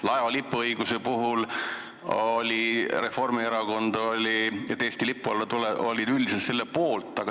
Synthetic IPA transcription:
lɑeɑlipːˑɤjɡuse̞puɦul | olʲire̞fo̞rmieɾɑɡo̞nd̪̥olʲiet̪ːˑeːsʲt̪ilipːˑulːet̪uleo̞lʲid̪̥ylʲd̪iset̪se̞lːe̞po̞ːlt̪ːˑɑɡ̥ɑ

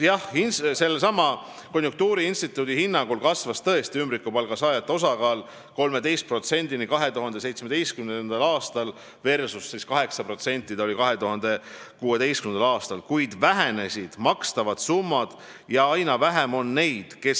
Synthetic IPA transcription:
jɑhinse̞lsɑmːɑ | ko̞nʲjuŋk̚t̪uːɾiinst̪it̪ːˑuːd̪̥ihinːɑŋɡ̥ulkɑsvɑst̪ɤe̞st̪iymbrɾikːˑupɑlɡ̥ɑsɑːjɑt̪ːˑeo̞sɑkɑːl | ko̞lme̞d̪e̞jst̪pro̞t̪se̞nʲd̪̥inikɑɦe̞t̪uɦɑnd̪̥ese̞jt̪smed̪e̞jst̪kymnnd̪ɑlɑːst̪ɑl | ve̞rsusːiskɑɦe̞ksɑpro̞t̪se̞nʲt̪ːˑid̪̥ɑolikɑɦe̞t̪uɦɑnd̪̥e̞kuːe̞d̪e̞jskymnd̪ɑlɑːst̪ɑlkujd̪̥væɦe̞ne̞sʲid̪̥mɑkst̪ɑvɑd̪̥sumːɑd̪̥ | jɑɑjnɑvæɦemo̞nːe̞jd̪̥ke̞s

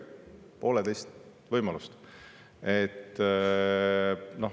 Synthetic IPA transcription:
po̞ːlet̪e̞jst̪ | vɤjmɑlust̪ | et̪ː | no̞

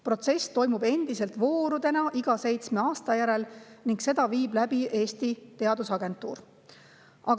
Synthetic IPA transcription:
pro̞t̪se̞st̪o̞jmube̞nd̪̥ise̞lt̪vo̞ːɾud̪̥e̞nɑʔiɡ̥ɑse̞jt̪sme̞ɑːst̪ɑjæɾe̞lniŋɡse̞d̪̥ɑviːb̥læbiʔe̞ːst̪it̪e̞ɑd̪̥usɑɡ̥e̞nt̪ːˑṵːɾ | ʔɑɡ

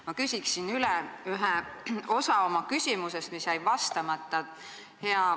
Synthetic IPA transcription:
mɑkysʲiksinylɛyɦeo̞sɑo̞mɑkysʲimuse̞st̪misjæjvɑst̪ɑmɑt̪ːˑɑ | he̞ɑ

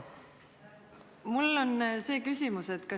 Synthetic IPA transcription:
mulːo̞nse̞ːkysʲimuse̞t̪kɑ

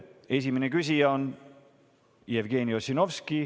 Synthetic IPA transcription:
e̞simenekys̬ijɑon | ievɡ̥e̞ːniosino̞vski

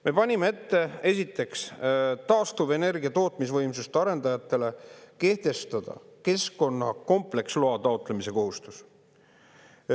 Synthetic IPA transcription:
me̞pɑnʲimee̞t̪ːe̞e̞s̬ʲit̪ːˑe̞kst̪ɑːst̪uve̞ne̞rɡ̥ʲiɑt̪o̞ːt̪ˑmis̬vɤjmsust̪eɑɾe̞nd̪ɑjɑt̪ːˑe̞le̞ke̞ht̪e̞st̪ɑd̪̥ɑ̰ke̞sko̞nːɑko̞mple̞ksloɑt̪ɑot̪ˑle̞mise̞ko̞ɦust̪us

